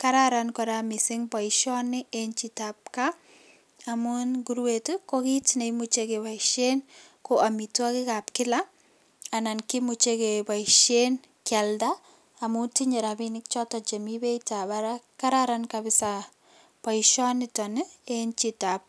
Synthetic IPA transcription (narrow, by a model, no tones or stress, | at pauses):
kaɾaɾankɔɾamɪsɪŋpɔɪʃɔnɪent͡ʃitap̚ka | amunɡuɾwetukokitinemut͡ʃekepaɪʃen | koʔamitakɪkapkɪla | anankɪmut͡ʃekepaiʃen | kjaldaː | mutiɲeɾabinɪk̚t͡ʃɔtɔt͡ʃemibetabaɾakaɾaɾankabɪsa | pɔiʃɔnɪtɔnɪent͡ʃitap̚